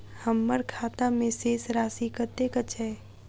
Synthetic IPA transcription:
həmːəɾkʰaːt̪amẽseːsɾaːsikət̪ekət͡ʃʰɛː

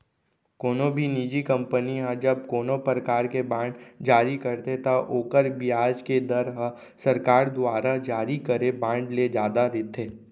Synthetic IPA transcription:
koːnobʱiniːd͡ʒikɐ̃mpəniɦãd͡ʒɐb̚koːnopɾəkaːɾkebãːɳɖd͡ʒaːɾikəɾt̪et̪aʔoːkəɾbiaːd͡ʒked̪əɾɦ | sɐɾkaːɾd̪ʊaːɾad͡ʒaːɾikəɾebãːɳɖled͡ʒjaːd̪aɾɪt̪ʰeː

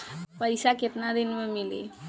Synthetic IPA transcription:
pəjsaket̪nad̪inmemilḛ

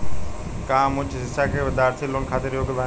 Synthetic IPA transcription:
kãːmʊt͡ʃɦɪsaːkeːʋəd̪aːɾt̪ʰiːloːnkʰaːt̪ɪɾjoːkəb̪aː

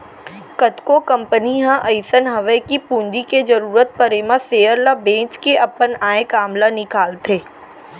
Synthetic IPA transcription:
kət̪kokɐ̃mpəniɦãʔɐɪsənɦɐʋəkipũːɲd͡ʒiked͡ʒəɾuːɾət̪̚pəɾemãseːəɾlabẽːt͡ʃkeʔɐpənaːekaːmlanɪkaːlt̪ʰeː

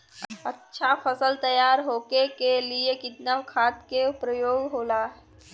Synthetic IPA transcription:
ətːʃʰapʰəsəlt̪əjaːɾɦoːkekeliekɪt̪naʋkʰaːt̪kepɾəjoːɡɦoːlaːɦ

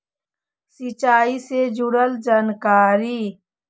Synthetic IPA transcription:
sit͡ʃaːised͡ʒʊɾəld͡ʒaːnkaːɾiː

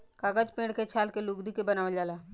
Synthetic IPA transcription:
kaɡəd͡ʒpẽːɽket͡ʃʰaːlkeluɡd̪ikebənaːʋəd͡ʒaːlaː

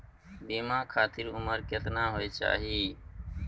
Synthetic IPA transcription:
biːmãːkʰaːt̪ɪɾʊməɾket̪nãːɦoːeːt͡ʃa̰ːɦiː

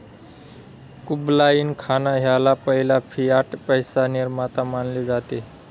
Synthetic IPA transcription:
kublainkʰanaɦjalapəɦilapʰijaʈpəjsaniɾmat̪amanled͡zat̪e

